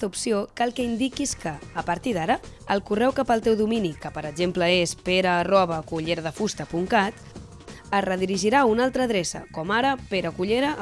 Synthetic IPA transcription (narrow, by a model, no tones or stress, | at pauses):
t̪əupsiokalˠkəind̪ikiskəːpəɾt̪iðaɾəəlˠkurɛwkapəlˠt̪ɛwðuminikəpəɾəɡʒempləespeɾəːrɔβ̞əkuʎeɾəðəfust̪əpuŋkat̪ | ərəðiɾiʒiɾaunalˠt̪ɾəːðɾesə̰kɔmaɾəpeɾəkuʎeɾə